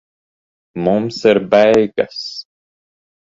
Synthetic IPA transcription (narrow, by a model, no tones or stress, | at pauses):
mumsiɾbɛjɡas